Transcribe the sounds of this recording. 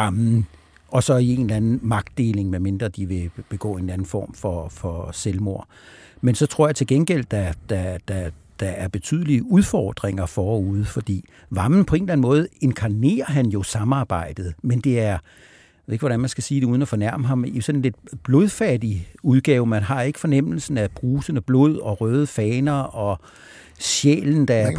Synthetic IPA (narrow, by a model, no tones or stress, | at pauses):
ɑ̈mn̩ | ɒ̽sɒ̽ie̝n̩lænn̩mɑ̈ɡ̥̚d̥e̝ːle̝ŋmeme̝nd̥ʁɐd̥iʋe̝b̥e̝ɡ̥ɔ̰ːe̝ːnlæn̩fɒ̰ːmfɒfɒ̽selmo̝ɐ̰ | mensɒ̽t͡sʰʁo̝ɐ̰jɑ̈t͡sʰe̝lɡ̥enɡ̥el̰d̥æd̥æd̥æ | d̥ɑ̈æɐb̥e̝t͡sʰy̰ð̞ˠəliəuð̞ˠfɒːd̥ʁeŋɐfɒɒuð̞̩ˠfɒ̽d̥ḭː | ʋɑ̈mn̩pʰɒ̽e̝ːnlæn̩mɔ̽ːð̞̩ˠe̝nkʰɑ̈ne̝̰ːɐɦænjo̝sɑ̈mɑ̈ːb̥ɑ̈ɪ̰d̥ð̞̩ˠmend̥e̝æɐ | jeð̰e̝ɡ̥ʋɒ̽ɾænmænsɡ̥æsiːd̥euð̞ˠn̩ɒfɒ̽næɐ̰məɦɑ̈misɒ̽nenle̝d̥̚b̥lo̝ð̞ˠfɛd̥iuð̞ˠɡ̥ɛːʊmænɦɑ̈e̝ɡ̥ə̥fɒ̽nem̰l̩sn̩æb̥ʁuːsənəb̥lo̝ð̞̰ˠɒ̽ʁœːð̞ˠəfɛːnɐʔɒ̽ | ɕjḛːln̩d̥ɑæɐ